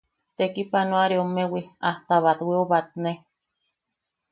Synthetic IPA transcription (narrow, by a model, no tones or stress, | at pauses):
t̪ekipanõaɾeomẽwiaht̪aβat̪wioβat̪̚nẽ